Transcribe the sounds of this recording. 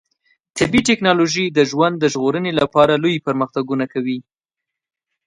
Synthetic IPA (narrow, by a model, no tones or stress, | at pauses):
t̪ɪbiʈɪknɑloʒid̪əʒwand̪ːəʒɣoɾənelapɑɾalojpəɾməxt̪aɡunakawi